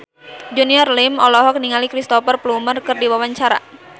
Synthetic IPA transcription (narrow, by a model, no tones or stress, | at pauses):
d͡ʒuniɔrlɪmɔlɔɦɔk̚niŋalikɾist̪ɔfərplumərkɨrdiwawaɲt͡ʃaɾa̰